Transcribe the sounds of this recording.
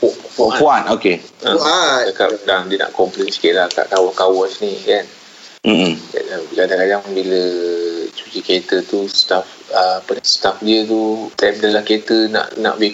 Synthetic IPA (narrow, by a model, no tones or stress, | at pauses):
puppuanokeət͡ʃakap̚daŋdiəna̰ʔkɔmplensi̥kiʔlaka̰ʔkawankawɔsnikan | m̩a̰dabiladakadaŋbilə | t͡ʃu̥t͡ʃiket̪ət̪ust̪af | əpənast̪afdiət̪ut̪amdəlahket̪əna̰ʔna̰ʔbi